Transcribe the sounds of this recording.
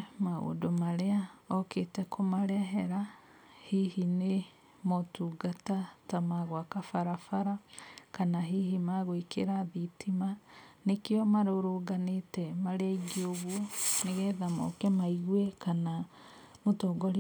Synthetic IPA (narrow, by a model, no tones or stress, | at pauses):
mao̰domaɾeaɔketɛkʰomaɾɛɦɛɾa | hihine | motuɡatatamaɣwakafaɾafaɾakanaɦiɦimaɣoikeɾaðitʰimanekeɔmaɾoɾoːɡanetɛmaɾeaiɡioɣwɔneɣɛðamɔ̰kɛmaiɣwɛkana | motɔːɡɔɾ